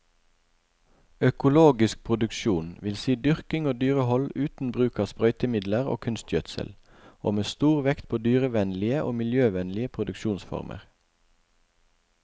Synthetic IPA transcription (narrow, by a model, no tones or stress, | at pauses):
œkʊloːɡɪsk̚pʰʁʊd̪ʉkʃuːnʋɪlsiːd̪ʏʁkɪŋoːd̪yːʁəhɔlʉːt̪n̩bʁʉːkɑːspʁœʏt̪əmɪd̪ləʁo̰ːkʰʉnst̪jœt̪sə̰l | oːmeːst̪uːʁʋɛkt̪̚pʰoːd̪yːʁəʋɛnlɪəʔoːmɪljøːʋɛnlɪəpʰʁʊd̪ʉkʃuːnsfɔ̰ʁmʔə̰ʁ